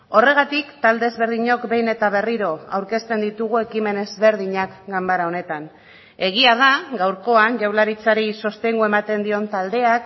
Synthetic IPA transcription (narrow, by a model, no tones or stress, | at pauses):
o̞re̞ɣ̞at̪ikt̪ald̪e̞ːzβe̞ɾðiɲo̞kbe̞jne̞t̪aβ̞e̞riɾo̞a̰wɾke̞st̪e̞nd̪it̪uɣ̞ue̞kime̞ne̞zβe̞ɾðiɲakɡambaɾao̞ne̞t̪an | e̞ɣ̞iað̞aɡawɾko̞anʝawlaɾit͡saɾiso̞st̪e̞ŋɡue̞mat̪e̞nd̪io̞nt̪ald̪e̞ak